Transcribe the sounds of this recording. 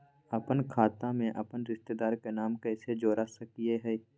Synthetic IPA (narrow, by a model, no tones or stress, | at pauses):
ɐpənkʰaːt̪ãmẽʔɐpənɾɪʃt̪ed̪aːɾkenaːmkɛːsed͡ʒoːɾasɐkieɦɛː